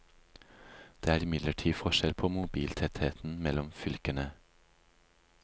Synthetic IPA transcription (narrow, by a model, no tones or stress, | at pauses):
d̪̥eːæːɾɪmɪd̪ləʈʰiːfɔʃɛlpʰoːmʊbiːlt̪ʰɛt̪heːt̪n̩mɛlɔmfʏlkənə